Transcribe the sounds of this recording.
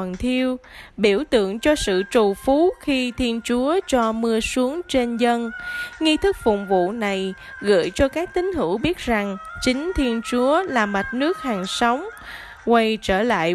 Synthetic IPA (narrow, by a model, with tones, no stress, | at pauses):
nt̪ʰi˧əwɓi˧˩əwt̪ɨ̰˧˨əŋt͡ɕɔ˧sɨ̰˧˨t͡ɕu˨˩fu˨˦xi˧t̪ʰi˧ənt͡ɕu˨˦ət͡ɕɔ˧mɨ˧əsu˨˦əŋt͡ɕe˧nzə˧nŋi˧t̪ʰɨ˦˥k̚fʊ̰˨˩ŋ͡mvṵ˧˨na˨˩j | ɣə̰˧˨əjt͡ɕɔ˧kaː˦˥k̚t̪ï˨˦ŋ̟ɦɨ˧˩wɓi˦˥ət̚za˨˩ŋt͡ɕï˨˦ŋ̟t̪ʰi˧ənt͡ɕu˨˦əlaː˨˩ma˨˩t̚nɨ˦˥ək̚ha˨˩ŋsa˨˦wŋ͡m | kwa˧jt͡ɕəː˧˩la̰ː˧˨j